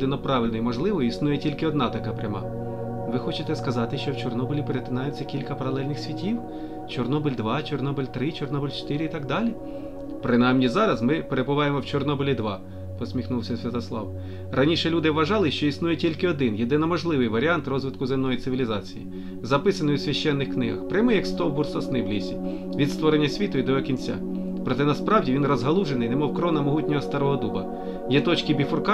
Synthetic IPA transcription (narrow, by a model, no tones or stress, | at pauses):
d̪ɪnɔpɾɑʋɪlʲnɔjmɔʒlˠɪʋɔjisnujɛtʲilʲkɪɔd̪nɑt̪ɐkɑpɾʲɐmɑ̰ | ʋɪxɔt͡ʃɪt̪ɛskɐzɑt̪ɪʃt͡ʃɔwt͡ʃɔrnɔbɔlʲipeɾet̪ɪnɑjɛt͡sʲːɐkʲilʲkɐpɐɾɐlˠɛlʲnɪxsʲʋʲitʲiw | t͡ʃɔrnɔbɪlʲd̪ʋɑt͡ʃɔrnɔbɪlʲt̪ɾɪt͡ʃɔrnɔbɪlʲt͡ʃt̪ɪɾʲɪit̪ɑɡ̚d̪ɑlʲi | pɾɪnɑjmnʲizɑɾɐzmɪpeɾebʊʋɑjemɔwt͡ʃɔrnɔbɔlʲid̪ʋɑ | pɔsʲmʲixnuwsʲɐsʲʋʲɐt̪ɐslˠɑ̰w | rʔɐnʲiʃɛlʲud̪ɪʋɐʒɑlˠɪʃt͡ʃɔisnujɛtʲilʲkɪɔd̪ɪnjed̪ɪnɔmɔʒlˠɪʋɪjʋɐɾʲiɑnt̪rɔzʋɪt̪kʊzɪmnɔjit̪sɪʋʲilʲizɑt͡sʲijḭ | zɐpɪsɐnɔjʊwsʲʋʲɐʃt͡ʃːɛnːɪxknɪɦɐ̰xpɾʲɪjmɪjɐkst̪ɔwbʊrsɐsnɪwlʲisʲi | ʋʲid̪st̪ʋɔɾenʲːɐsʲʋʲit̪ʊid̪ɔjɛkʲinʲt͡sʲa̰ | pɾɔt̪ɛnɐspɾɑwdʲiʋʲinrɔzɦɐlˠuʒenɪjnemɔwkɾɔnɐmɔɦutʲnʲɔɦɔst̪ɐɾɔɦɔd̪ubɐ | jɛt̪ɔt͡ʃkɪbʲifʊrkɑ